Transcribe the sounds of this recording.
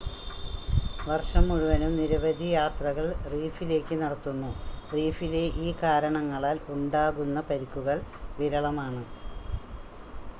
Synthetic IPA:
ʋɐrʂɐmːuɻuʋɐnumniɾɐʋɐd̪ʱijaːt̪rɐɣɐɭriːfile̞ːkːɨnɐɽɐt̪ːunːuriːfile̞ʔiːkaːɾɐɳɐŋːɐɭaːluɳɖaːɣunːɐpɐɾikːuɣɐɭʋiɾɐɭɐmaːɳɨ

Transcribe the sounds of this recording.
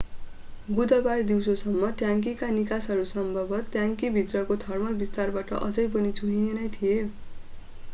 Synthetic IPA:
bud̪ʱʌbaɾd̪iwsosʌmːʌt̪jaŋkikanikasɦʌɾusʌmbʱʌbʱʌt̪jaŋkibʱit̪rʌkot̪ʰʌrmʌlbist̪arbaʈʌ̰ʔʌd͡zʌjp̬ʌnit͡sʰuɦinenʌjt̪ʰije

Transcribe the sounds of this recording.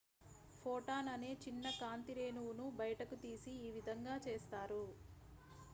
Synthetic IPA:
pʰoːʈaːnɐne̞ːt͡ʃinːɐkaːnt̪iɾe̞ːnuwunubɐjɐʈɐkut̪iːsiːʋid̪ʱɐŋɡaːt͡ʃeːst̪aːɾu

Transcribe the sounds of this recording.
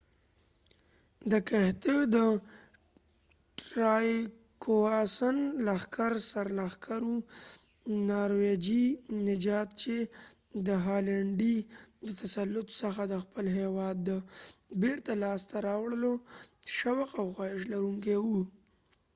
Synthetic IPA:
d̪əkaht̪ed̪ə | ʈɾɑj | koɑsənlaxkaɾsaɾlaxkʰaɾwu | nɑɾwed͡ʒinɪd͡ʒɑt̪̚t͡ʃe | d̪əɦɑlaɳɖid̪ət̪asalːʊt̪səxad̪əxpəlɦewɑd̪ːəbeɾt̪alɑst̪aɾɑwɽəloʃawaqawxwaɪʃ̬laɾuŋkewu

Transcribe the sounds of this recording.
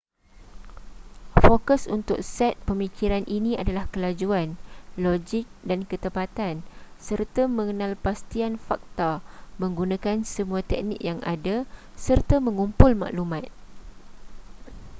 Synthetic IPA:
fokəsunt̪ʊk̚sɛt̪̚pəmikiɾanʔinĩadalahkəlad͡ʒuanlod͡ʒɪk̚dankət̪əpat̪ansərt̪amə̃ŋənãlpast̪ianfak̚t̪amə̃ŋɡunãkansəmuat̪ɛk̚nḭk̚jaŋa̰dasərt̪amə̃ŋumpʊlmã̰ʔlumãt̪̚

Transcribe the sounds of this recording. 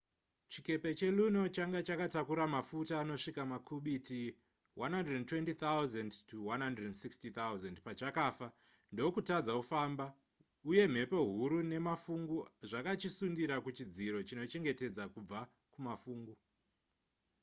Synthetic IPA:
t͡ʃike̞pe̞t͡ʃe̞luno̞t͡ʃaŋɡat͡ʃakatakuɾamafutaːno̞ʂikamakʰuɓiti | wʔanɦanredntwe̞ntit̪awzandtʰuwanɦandrednsikstit̪awzendpat͡ʃakaːfa | ndo̞kutad͡zaufaːmba | uje̞m̤e̞po̞ɦuɾune̞mafuŋɡuʐakat͡ʃisundiɾakut͡ʃid͡ziɾo̞t͡ʃino̞t͡ʃe̞ŋɡe̞te̞d͡zakub͡va | kumafuːŋɡu

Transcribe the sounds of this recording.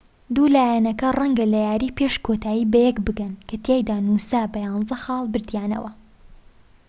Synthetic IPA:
d̪uːlaːjɛnɐkɐrɐŋɡɐlɐjaːɾiːpeʃkʰot̪ʰaːjiːbɐjɛkbɨɡɐnkʰɐt̪ʰjajd̪aːnusaːbɐjɑːnzɐxɑːlˠbɨɾd̪jaːnɐ̰wɐ

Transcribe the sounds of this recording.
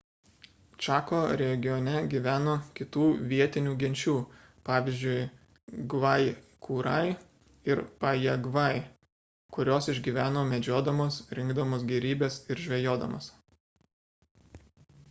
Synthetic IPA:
t͡ʃʲɑːkoːɾʲɛɡʲɪjɔnʲɛɡʲiʋʲæːnoːkʲɪt̪uːʋʲiɛt̪ʲɪnʲuːɡʲɛnʲt͡ʃʲuː | pɑːʋʲɪzʲd͡ʒʲʊɪ | ɡʋɐɪ | kʰuːɾɐɪ | ɪɾpɐjɛɡʋɐɪ | kʊɾʲoːsɪʒʲɡʲiʋʲæːnoːmʲɛd͡ʒʲoːd̪ɐmoːsɾʲɪŋɡd̪ɐmoːs̬ɡʲɛɾʲiːbʲeːsɪɾʒʲʋʲɛjoːd̪ɐ̰mo̰ːs

